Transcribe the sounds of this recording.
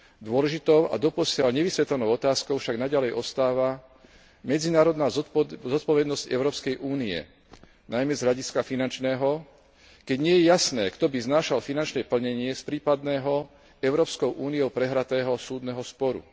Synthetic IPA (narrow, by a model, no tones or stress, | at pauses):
d̪ʊɔlɛʒit̪ɔʊʔa̰d̪ɔpɔsɪalɲɛʋisʋɛt̪lɛnɔʊɔt̪aːskɔʊfʃaɡnaɟalɛjʔɔst̪aːʋa | mɛd͡zinaːɾɔd̪naːzzɔt̪̚pɔʋɛd̪nɔscɛʊɾɔːpskɛjʔuːniɛ̰ | najmɛzɦʎaɟiskafinant͡ʃnɛːɦɔ | kɛɟɲɪɛjɛjasnɛːkt̪ɔbiznaːʃalfinant͡ʃnɛpl̩ɲɛɲɪɛspɾiːpad̪nɛːɦɔ | ɛʊɾɔːpskɔʊʔuːnijɔʊpɾɛɦɾat̪ɛːɦɔsuːd̪nɛɦɔspɔɾṵ